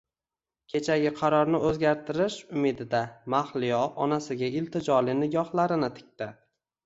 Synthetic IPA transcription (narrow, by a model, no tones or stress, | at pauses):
kʲʰe̞t͡ʃʰaɡʲɪqʰɑɾɒɾnɪɵzɡʲaɾt̪ʰɪɾɪʃʊmɪd̪ɪd̪amahlɪjɒɒnasɪɡʲaɪlt̪ʰɪd͡ʒɒlɪnɪɡʲɒhlˠaɾɪnɪt̪ʰɪ̥k̚ʲt̪ɪ